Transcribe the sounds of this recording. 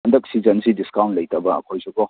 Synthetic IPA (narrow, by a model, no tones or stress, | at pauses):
ɐndɐk̚sizɐnsidiskawnlɐjtɐbɐɐ̰kʰojsʰukɔ